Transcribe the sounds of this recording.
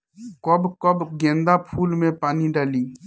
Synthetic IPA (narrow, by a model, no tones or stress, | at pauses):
kɔbkɔbɡẽːnd̪apʰuːlmẽpaːniɖaːliː